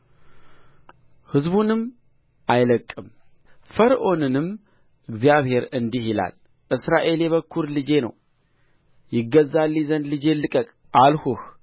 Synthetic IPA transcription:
hɨzbunɨm | ʔajləkʼːɨm | fəɾʔo̞nɨnɨm | ʔɨɡzijaβhe̞ɾɨnd̪ihila̰l | ʔɨsɾaʔe̞ljɛβəkʰːuɾlɨd͡ʒe̞nə̰w | jɪɡːəzːalːizənd̪lɨd͡ʒe̞lɨkʼəkʼ | ʔalhuh

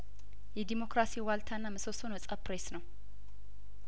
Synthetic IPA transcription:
jɛd̪imo̞kɾasiwalt̪ʰanːaməsosonəsʼapɾesnəw

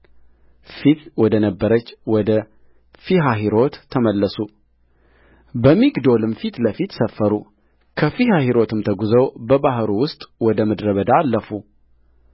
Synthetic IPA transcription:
fit̪wɔd̪ənəbːəɾət͡ʃːwɔd̪ə | fiɦaɦiɾo̞t̪ʰːəməlːəsu | bəmiɡd̪o̞lɨmfit̪ləfit̪səfːəɾu | kʰəfihahiɾo̞t̪ʰɨmt̪ʰəɡuzəwbəbaɦɾuwʊst̪ʼwɔd̪əməd̪ɾəβəd̪aːlːəfu

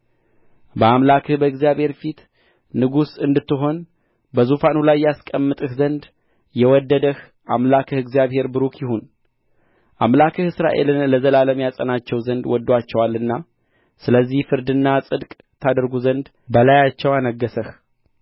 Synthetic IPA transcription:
bəamlakʰɨhbəɨɡzijaβhe̞ɾfit̪ | nɨɡusɨnd̪ɨt̪ːɨɦo̞n | bəzufanulajːaskʼəmːɨt̪ʼɨhzənd̪ | jɛwɔd̪ːəd̪əh | ʔamlakʰɨhɨɡzijaβhe̞ɾbɨɾukjɪhun | ʔamlakʰɨhɨsɾa̰ʔe̞̰lɨnləzəlaləmjasʼə̰nat͡ʃːɛwzənd̪wɔd̪ːwat͡ʃːɛwalːɨnːa | sɨləzːihfɨɾd̪ɨnːasʼɨd̪kʼ | t̪ʰad̪əɾɡuzənd̪ | bəlajat͡ʃːɛwanəɡːəsəh

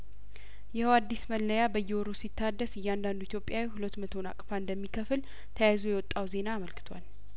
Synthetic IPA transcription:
jɪhəwad̪ːisməlːəjabəjːɛoɾosit̪ʰːad̪ːəsɨjːɛand̪and̪uit̪ʰjo̞pʼjawihulət̪ːmət̪ʰo̞na̰kʼfaɨnd̪əmːikʰəfɨl | t̪ʰəjazojɛwɔt̪ʼːawze̞naːməlkʰɨ̥t̪ʰwa̰l

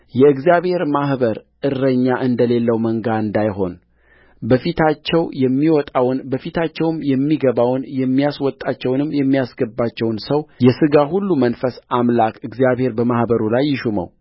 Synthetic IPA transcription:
jɛɨɡzijaβhe̞ɾmahbəɾʔɨrːəɲːaʔɨnd̪əle̞lːəwməŋɡaɨnd̪ajɦo̞n | bəfit̪ʰat͡ʃːɛwjɛmːiwɔt̪ʼawnbəfit̪ʰat͡ʃːɛwmjɛmːiɡəβawnjɛmːijaswɔt̪ʼːat͡ʃːɛwnɨmjɛmːijasɡəbːat͡ʃːɛwnsəwjɛsɨɡaɦulːumənfəsamlakʰʼɨɡzijaβhe̞ɾbəmahbəɾulajːɪʃumə̰w

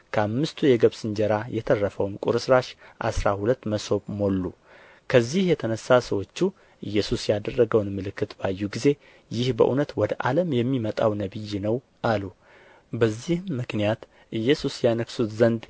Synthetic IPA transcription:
kʰəamːɨst̪ʰujɛɡəβsɨnd͡ʒɛɾajɛt̪ʰərːəfəwnkʼṵɾɨsɾaʃʔa̰sɾahulət̪ːməso̞βmo̞lːu | kʰəzːihjɛt̪ʰənəsːasəwo̞t͡ʃːu | ʔɨjːɛsusjad̪ərːəɡəwnmɨlɨkːɨt̪bajːuɡize̞ | jɪhbə̰ʔunət̪wɔd̪əʔaləmjɛmːimət̪ʼawnəβɨjːnəw | ʔalu | bəzːihːɨknijat̪ | ʔɨjːɛsusjanəksut̪zənd̪

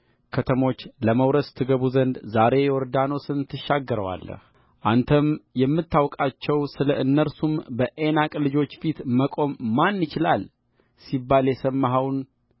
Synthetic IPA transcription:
kʰət̪ʰəmo̞t͡ʃːləməwɾəst̪ʰɨɡəβuzənd̪zaɾe̞jɛwɔɾd̪anosɨnt̪ʰːɨʃːaɡːəɾəwa̰lːə̰h | ʔant̪ʰəmjɛmːɨt̪ʰːawkʼat͡ʃːɛwsɨləʔɨnːəɾsumbəʔenakʼlɨd͡ʒo̞t͡ʃːfit̪məkʼo̞mːanːɨt͡ʃɪlal | sibːaljɛsəmːaɦawn

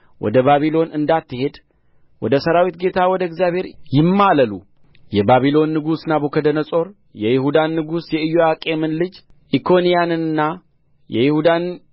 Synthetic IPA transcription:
wɔ̰d̪əβaβilo̞nʔɨnd̪at̪ʰːɨhe̞d̪ | wɔ̰d̪əsəɾawit̪̚ɡe̞t̪ʰawɔd̪əɨɡzjabhe̞ɾjɪmːaləlṵ | jɛbaβilo̞nːɨɡusnabokʰəd̪ənəsʼo̞ɾ | jɛjɪhud̪anːɨɡusjɛɨjoakʼe̞mɨnlɨd͡ʒ | ʔikʰo̞nijanɨnɨnːa | jɛ̰jɪhud̪an

